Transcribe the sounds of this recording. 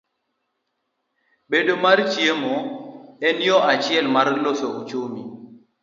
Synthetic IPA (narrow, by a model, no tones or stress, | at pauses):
bedomart͡ʃjemɔɛnjɔʔat͡ʃɪɛlmarlosoot͡ʃomi